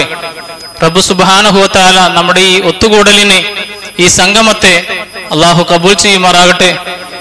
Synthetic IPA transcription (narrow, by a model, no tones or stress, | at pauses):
e | rɐbːusubɦaːnɐɦuʋɐt̪ɐaːlaːnɐmːuɽeiːot̪ːuɡoːɽɐline | iːsɐŋɡʱɐmɐt̪ːeɐlːaːɦukɐbuːlt͡ʃijimaːɾaːɡɐʈːe